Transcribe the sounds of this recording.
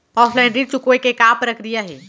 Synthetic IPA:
pɔːslɛ̃ɳɖɾit͡ʃukoekekapɾəkɾijaɦɛ̰ː

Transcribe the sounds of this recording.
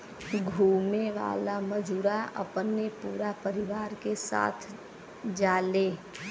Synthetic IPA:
ɡʱuːmeʋa̰ːlaməd͡ʒuːɾaə̰pnːepuːɾapəɾɪʋaːɾkesa̰ːt̪ʰ | d͡ʒaːleː

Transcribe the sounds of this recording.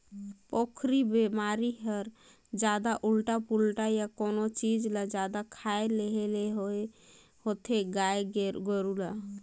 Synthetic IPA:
pokʰɾibemaɾiɦəɾ | d͡ʒad̪aʔulʈapulʈajakonot͡ʃid͡ʒlad͡ʒad̪akʰaeleɦeleɦoe | hot̪ʰeɡaeɡɡəɾula

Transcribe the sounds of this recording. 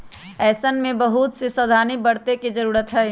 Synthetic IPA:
ɛːsənmẽbəɦut̪sɪsəd̪ʱaːnibəɽt̪ekid͡ʒəɾuːɾət̪ɦɛː

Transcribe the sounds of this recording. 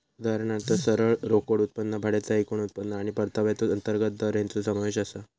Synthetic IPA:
ud̪ʱaɾɳat̪əsəɾəɭɾokoɽut̪̚pənːəbʱaɽat͡saɦikoɳ̃ut̪̚pənːəaɽ̃ipəɾt̪ʰəʋjat͡s̪uənt̪əɾɡət̪̚d̪əɾjant͡susəmaʋeɕasa

